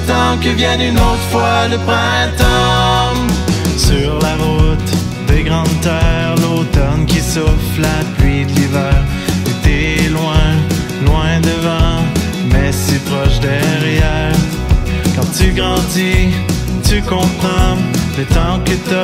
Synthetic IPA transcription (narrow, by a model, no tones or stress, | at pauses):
t̪ɑ̃kəvjɛ̃nynot̪ʁəfwaləpʁɛ̃t̪ɔmsyʁlaʁut̪ | d̪eɡʁɑ̃d̪t̪œʁlot̪ɔnkʲisɔflaplɥid̪əlivɛːʁ | et̪ɛlwɛ̃ | lwɛ̃d̪əvɑ̃ | mɛsipʁɔʃd̪ɛʁjɛːʁ | kɑ̃t̪yɡʁɑ̃d̪i | t̪ykɔ̃pχɑ̃ət̪ɑ̃kət̪